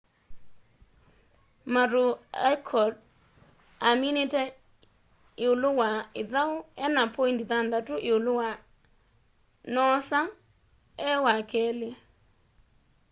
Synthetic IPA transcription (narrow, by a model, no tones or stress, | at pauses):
maɾoakʰɔd | aminitɛ | ɪolʊwaɪðaoɛnapʰɔintiðand̪ðatuʔɪolowa | nɔsa | ɛwakʰɛle